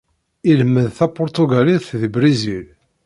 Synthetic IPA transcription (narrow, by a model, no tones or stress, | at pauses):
ilməðθæpʊɾt̪uɡæliθðibɾizil